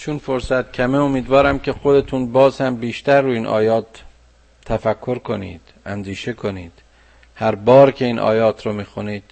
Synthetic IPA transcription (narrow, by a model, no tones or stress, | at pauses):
t͡ʃʰunfoɾsæt̪̚cʲʰæmeomiːd̪vɒːɾæmcʲʰe̞xod̪e̞t̪ʰunbɒːzhæmbiːʃt̪æɾːuːiːnʔɒ̰ːjɒːt̪ʰː | æfækʰːo̞ɾkʰo̞nḭːd̪̥ænd̪iːʃe̞kʰo̞niːd̪̥ | hæɾbɒːɾcʰe̞iːnʔɒ̰ːjɒːt̪ʰɾomiːxuniːd̪̥